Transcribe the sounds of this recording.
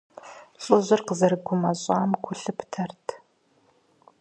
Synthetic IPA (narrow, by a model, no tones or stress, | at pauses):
ɕʼʊʑʷɪrqəzɐrɨɡʷʊmɐɕʼaːmkʷʰʊɬɨpʰtʰɐrtʰ